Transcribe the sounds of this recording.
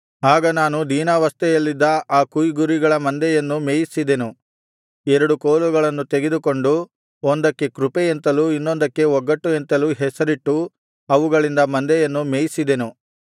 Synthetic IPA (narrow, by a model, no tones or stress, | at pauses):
aːɡɐnaːnud̪iːnɐʋɐst̪ɛjɐlːid̪ːɐaːkujɡuɾiɡɐɭɐmɐnd̪ɛjɐnːumeːjisid̪e̞nu | ɛɾɐɽukoːluɡɐɭɐnːut̪eɡed̪uko̞ɳɖu | ɔnd̪ɐkːe̞kɾupejent̪ɐluːinːond̪ɐkːe̞ɔɡːɐʈːuent̪ɐluːɦɛsɐɾiʈːu | ɐʋuɡɐɭind̪ɐmɐnd̪ɛjɐnːumeːjisid̪e̞nu